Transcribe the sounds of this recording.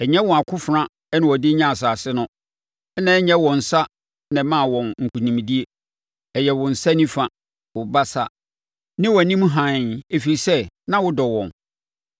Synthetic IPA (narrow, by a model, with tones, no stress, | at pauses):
ɛ˨ɲɛ̃˦wɔ̃˨a˨kʰʊ˦fɾã˦ | ɛ˦nʊ̃˨wɔ˨dɪ˦ɲã˦a˨s̬aː˨sɪ˦nʊ̃˦ | ɛ˦nã˦ɛ˦ɲɛ̃˦wɔ̃˨n̩˨sa˦ | nɪ̃˨˦mã˦˨wɔ̃˨nŋ̩˨kʰu˨nĩ˨m˨di˦e˦ | ɛ˨jɛ˨wʊ̃˨n̩˨sa˦nĩ˦fã˨ | wʊ˨ba˦sa˦ | nɪ̃˦wɔ˨nĩ˦m˦ɦã˨e˨fi˨ɾi˨sɛ˦nã˦wʊ˦dɔ˨wɔ̰̃˨n